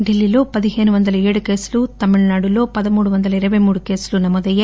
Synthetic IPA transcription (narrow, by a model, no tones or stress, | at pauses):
ɖilːiloːpɐd̪iɦeːnuʋɐnd̪ɐlɐeːɽukeːslut̪ɐmiɭnaːɽuloːpɐd̪ɐmuːɽuʋɐnd̪ɐlɐiɾɐʋemuːɽukeːslunɐmːɔd̪ɐje